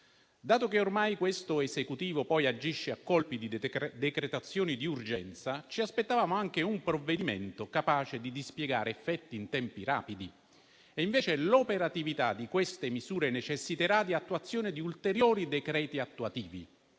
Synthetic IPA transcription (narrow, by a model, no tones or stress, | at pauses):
d̪aːt̪ok̟eormajkwest̪oesekut̪iːvopɔjad͡ʒiʃːeakːɔlpid̪id̪ekɾet̪at̪sːjoːnid̪iurd͡ʒɛnt̪sat͡ʃiaspet̪ːavaːmoaŋk̟eumpɾovːed̪imḛnt̪okapaːt͡ʃed̪id̪ispjɛɡaːɾeɛfːɛt̪ːiːnt̪ɛmpiɾa̰ːpid̪i | eiɱveːt͡ʃelopeɾat̪ivit̪ad̪ikwest̪emizuːɾenet͡ʃesːit̪eɾad̪iat̪ːuat̪sːjoːned̪iult̪eɾjoːɾid̪ekɾɛːt̪iat̪ːuat̪iːvḭ